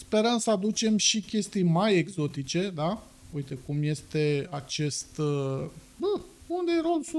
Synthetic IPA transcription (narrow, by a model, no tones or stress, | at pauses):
spe̞ɾəmsəad̪ut͡ʃe̞mʃikʲe̞st̪ijmaje̞ɡzo̞t̪it͡ʃe̞d̪a | ujt̪e̞kumje̞st̪e̞at͡ʃe̞st̪ | bəund̪eɾo̞lsu